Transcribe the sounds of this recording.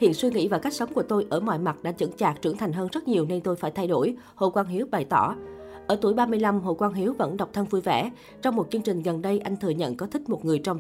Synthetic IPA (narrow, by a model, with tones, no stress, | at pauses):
hḭ˧˨ənswi˧ŋḭ˧˥vaː˨˩ka˦˥k̟̚sə˨˦wŋ͡mku˧˩ət̪o˧jʔəː˧˩mɔ̰ː˧˨jma˨˩t̚ɗa̰ː˧˥t͡ɕə̰˧˥nt͡ɕaː˨˩k̚t͡ɕɨ˧˥ŋt̪ʰa˨˩jŋ̟ɦəː˧nzə˦˥t̚ɲi˨˩əwne˧nt̪o˧jfaː˧˩jt̪ʰa˧jɗo˧˩j | ho̰˧˨˩kwaː˧nɦi˨˦əwɓa˨˩jt̪ɔ̰˧˩ | ʔəː˧˩t̪u˧˩əjɓaː˧mɨ˧əjla˧mɦo̰˧˨˩kwaː˧nɦi˨˦əwvə̰˧˥nɗa˨˩wk͡p̚t̪ʰə˧nvu˧jvɛ̰˧˩ | t͡ɕɔ˧wŋ͡mmːo˨˩t̚t͡ɕɨ˧əŋt͡ɕï˨˩ŋ̟ɣə˨˩nɗə˧jʔa˧jŋ̟t̪ʰɨ˨˩əɲə̰˧˨nkɔ˨˦t̪ʰï˦˥k̚mo˨˩t̚ŋɨ˨˩əjt͡ɕɔ˧wŋ͡m